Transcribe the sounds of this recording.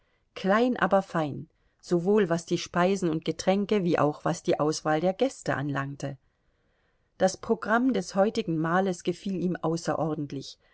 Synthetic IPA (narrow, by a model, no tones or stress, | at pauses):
kʰl̥aɪnʔa̰ːbɐfaɪn | z̥ovoːlvasd̥iːʃpaɪzn̩ʊnt̚ɡ̥ətʁ̥ɛŋkəviːʔa̰ʊxv̥asd̥iːʔaʊsv̥aːldeːɐɡɛstə̰ʔanlaŋtə | d̥aspʁ̥oɡʁamdɛshɔʏtɪɡŋ̩maːləsɡ̥əfiːliːmʔaʊsɐ̰ʔɔɐdn̩tʰlɪç